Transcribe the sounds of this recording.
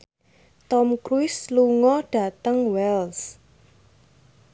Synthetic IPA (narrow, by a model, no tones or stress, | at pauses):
t̪ɔmkɾuɪsluŋɔɖ̥a̤t̪əŋwɛls